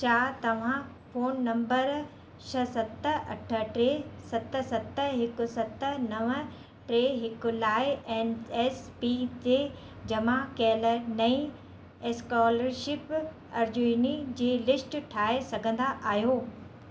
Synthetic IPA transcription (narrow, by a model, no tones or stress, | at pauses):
t͡ɕʰaːt̪ɐʋ̤ã | foːnːɐ̃mbəɾ | ʃʰɐsɐt̪ə̆ɐ̰ʈʰə̆ʈɾeːsɐt̪ə̆sɐt̪əɦɪkʊ̆sɐt̪ə̆nɐʋə | ʈɾeːɦɪkʊ̆laːɪeːneːspiːt͡ɕeː | d͡ʑɐmãkɛːlənɐĩ | skaːləɾʃɪp | ɐɾd͡ʑuinid͡ʑeːlɪsʈʈʰaːesɐɡʱə̃nd̪aʔaːɦijoː